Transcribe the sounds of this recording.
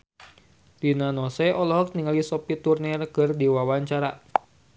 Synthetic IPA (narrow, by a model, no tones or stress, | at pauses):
dinanɔsɛʔɔlɔɦɔk̚niŋalisɔpit̪urnirkɨrdiwawaɲt͡ʃaɾa